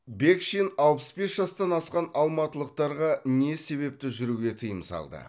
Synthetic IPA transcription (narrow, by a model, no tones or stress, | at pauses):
bekʃinɑlˠpəsbe̞sʒɑst̪ɑnɑsqɑnɑlˠmɑt̪əlˠəq̚t̪ɑɾʁɑne̞se̞βe̞p̚t̪ɪʒʏɾuɡʲe̞t̪ʰəjəmsɑ̰lˠd̪ə̰